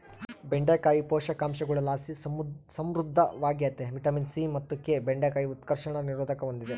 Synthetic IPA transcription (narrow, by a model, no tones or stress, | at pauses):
beɳɖekaːjipɔːʃɐkaːmʃɐɡɐɭɐlaːsisɐmɾud̪ʱːɐʋaːɡjɐt̪ːeʋiʈɐminsimɐt̪ːukeːbeɳɖekaːjiut̪kɐɾʃɐɳɐniɾoːd̪ʱɐkɐʋond̪id̪e